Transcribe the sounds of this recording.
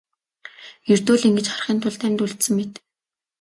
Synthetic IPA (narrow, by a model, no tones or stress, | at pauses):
ert̪oːɮiŋɡɘ̆t͡ɕχarχiːnt̪ʰʊɮt̪ʰæmʲt̪uɮt̪sɘ̆ŋmet̪